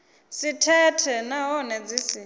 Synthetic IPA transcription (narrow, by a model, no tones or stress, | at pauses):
sitʰɛtʰɛnaɦɔnɛd͡zisi